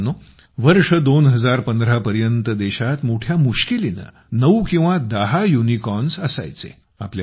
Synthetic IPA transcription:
no | ʋəɾʂəd̪onɦəd͡zaɾpənd̪ɾapəɾjənt̪əd̪eɕat̪moʈʰjamuɕkilina̰ | nəwkĩw̃ʋad̪əɦajunikɔnsəsa̰jt͡sḛ | a̰plja

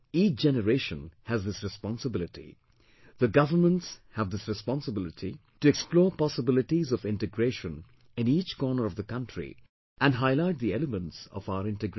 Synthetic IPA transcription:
iːt͡ʃd͡ʒ̥ɛnəɾeʃə̃nhæzðɪsɾɨspɑ̃nsəbɪlɪʈḭ | ðəɡʌvə˞mə̃ntshævd̪ɪsɾɨspɑ̃nsəbɪlɪtʰi | tuɛksplɔːɹpɑsəbɪlɪʈizɔvɪ̃nʈɨɡɾeːʃə̃n | ɪ̃niːt͡ʃkɔɹnəɹʌvðəkʌ̃ntʰɹḭ | ʔæ̃nɖɦaɪlaɪt̚d̪iɛləmə̃ntsɔ̰faʊəɾɪ̃nʈɨɡɾ

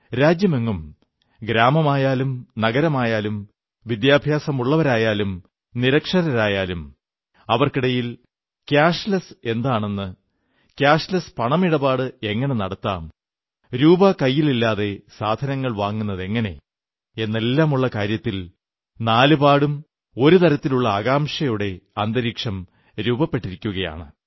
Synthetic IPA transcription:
ɾaːd͡ʑjɐme̞ŋːum | ɡɾaːmɐmaːjaːlumnɐɡɐɾɐmaːjaːlum | ʋid̪jaːbʱjaːsɐmuɭːɐʋɐɾaːjaːlum | niɾɐkʂɐɾɐɾaːjaːlum | ɐʋɐrkiɽɐjil | kjaːʂlɐse̞nd̪aːɳe̞nːɨ | kjaːʂlɐspɐɳɐmiɽɐbaːɽɨe̞ŋːɐɳe̞nɐɽɐt̪ːa̰ːm | ɾuːbɐkɐjːililːaːðe̞saːd̪ʱɐnɐŋːɐɭʋaːŋːunːɐðe̞ŋːɐne̞̰ | e̞nːelːaːmuɭːɐkaːɾjɐt̪ːil | naːlubaːɽum | o̞ɾut̪ɐɾɐt̪ːiluɭːɐːɣaːmʂɐjuɽe̞ɐnd̪ɐɾiːkʂɐm | ɾuːbɐpːe̞ʈːiɾikʲːuɣɐja̰ːɳɨ̰

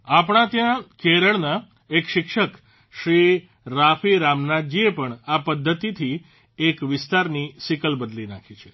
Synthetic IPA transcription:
apɽ̃ãt̪jãkeɾəɭna | ekʃɪkʃək | ʃɾi | ɾafiɾamnad̪̚d͡ʒiepəɳapəd̪ʱːət̪it̪ʰi | ekʋɪst̪aɾnisikəlbəd̪linakʰit͡ʃʰe̥

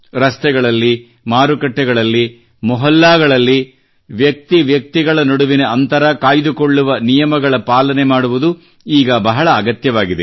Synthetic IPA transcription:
ɾɐst̪ɛɡɐɭɐlːi | maːɾukɐʈːɛɡɐɭɐlːi | mɔɦɐlːaːɡɐɭɐlːi | ʋjɐk̚t̪iʋjɐk̚t̪iɡɐɭɐnoɽuʋineɐnt̪ɐɾɐkaːjd̪ukoɭːuʋɐnijɐmɐɡɐɭɐpaːlɐnemaːɽuʋud̪u | iːɡɐbɐɦɐɭɐːɡɐt̪jɐʋaːɡid̪e

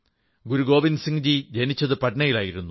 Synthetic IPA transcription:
ɡuɾuɡo̞ːʋinsiŋd͡ʑid͡ʑɐnit͡ɕːɐðɨpɐʈinɐjilaːjiɾunːu

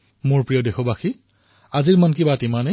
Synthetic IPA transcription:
mʊɹpɹijɔdexɔbaxi | aziɹmankibatimane

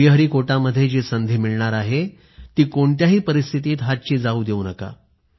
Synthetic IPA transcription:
iɦəɾiːkoʈaməd̪ʱːjed͡ʑisənd̪ʱiːmiɭɳaɾaɦe | t̪iːkoɳt̪jaɦiːpəɾist̪ʰit̪iːt̪ɦat̪̚t͡ɕiːd͡zauːd̪eunəka̰

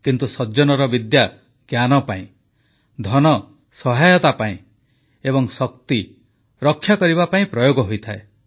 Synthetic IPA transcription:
kint̪usɔd͡ʒɔnɔɾɔbid̪ja | ɡ̥janɔpaĩ | d̪ʱɔnɔ | sɔɦajɔt̪apaĩ | ebɔŋsɔk̚t̪i | ɾɔkʰːjakɔɾibapaĩpɾɔjoɡɔɦojt̪ʰae

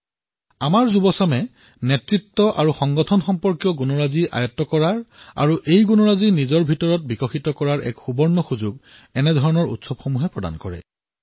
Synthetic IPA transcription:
amaɹzubɔsɔmɛ | netɹitːɔʔa̰ɹuxɔŋɡɔtʰɔnxɔmpɔɹkjɔɡunɔɹaziʔa̰jɔtːɔkɔɹaɹa̰ɹuʔejɡunɔɹazinizɔɹbʱitɔɹɔt̚bikɔxitɔkɔɹaɹʔɛ̰kxubɔɹnɔxuzuɡ | ɛnɛdʱɔɹɔnɔɹṵtsɔbxomuɦɛpɹɔda̰nkɔɹɛ̰

